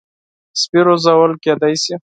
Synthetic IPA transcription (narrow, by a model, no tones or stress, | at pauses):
spiɾozawəlked̪ajsi